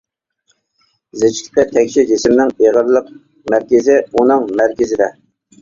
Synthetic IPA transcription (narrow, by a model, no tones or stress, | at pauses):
zɪt͡ʃt̪ʰɪ̥qət̪ʰɛkʲʃid͡ʒɪsɪmnɪŋeʁəɾlˠəq̚ | mæɾkʲɪzɪunɨŋmæɾkʲɪzɪd̪ɛ